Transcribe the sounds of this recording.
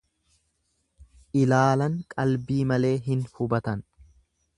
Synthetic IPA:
ʔɪlaːlɐŋkʼɐlbiːmɐle̞ːɦɪnhʊbɐt̪ɐn

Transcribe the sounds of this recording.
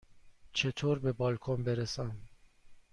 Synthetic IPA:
t͡ʃʰet̪ʰoːɾbebɒːlkʰonbeɾesæm

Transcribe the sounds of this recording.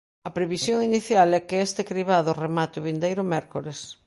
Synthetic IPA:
ɐpɾeβisjoŋiniθjalɛkɪest̪ekɾiβaðʊremat̪ɪʊβind̪ejɾʊmɛɾkoles

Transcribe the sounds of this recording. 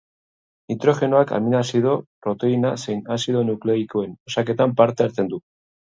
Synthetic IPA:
nit̪ɾo̞ʝe̞noaka̰minasiðo̞pɾo̞t̪e̞inase̞jnasiðo̞nukle̞iko̞e̞nosake̞t̪ampaɾt̪e̞aɾt͡se̞nd̪u

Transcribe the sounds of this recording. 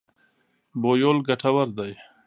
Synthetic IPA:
boːjoːlɡaʈʰawaɾd̪aj

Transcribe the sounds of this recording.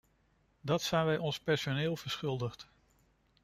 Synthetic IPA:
dɑtsɛjnʋɛjɔnspɛɹsonɪːlˠvəɹsχʏlˠdəχt

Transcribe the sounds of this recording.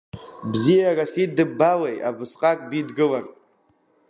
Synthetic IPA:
bziaɡasidɨbawejʔa̰bɨsqʼakʼbidɡɨlar

